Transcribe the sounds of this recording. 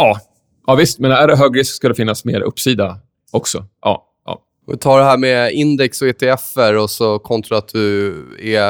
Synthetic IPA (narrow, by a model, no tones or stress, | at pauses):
ɑː | ʔɑːvɪst̪̚mɛnæɖɛɦøːɡɾiːskskɵlːɛfɪnːasmeːɾɵ̰pːsiːd̪a | ɔksɔʔɑ̰ː | ʔɑ̰ː | vɪ̰t̪ʰɑːɖɛɦæːɾmɛɪnd̪ɛksɔeːt̪ʰeɛfːəɾɔsɔkʰɔnt̪ɾaat̪̚d̪ɵɛ